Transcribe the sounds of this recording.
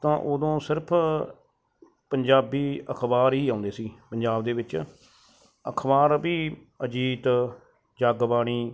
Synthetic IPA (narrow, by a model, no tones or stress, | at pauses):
t̪ãːʔoːd̪õːsɪɾpʰ | pəɲd͡ʒaːbiːəkʰbaːɾɦiːãːnd̪eːsiːpəɲd͡ʒaːbd̪eːʋɪt͡ʃ | ə̰kʰbaːɾbiː | əd͡ʒiːt̪ | d͡ʒaːɡʋaːɽ̃iː